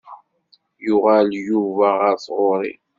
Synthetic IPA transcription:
jʊʁaljuvæʁaɾθʁoɾˤḭ

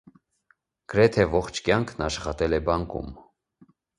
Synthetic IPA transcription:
ɡ̥əɾɛt̪ʰɛvɔχt͡ʃʰkjɑŋkʰnɑʃχɑt̪ɛlɛbɑŋkṵm

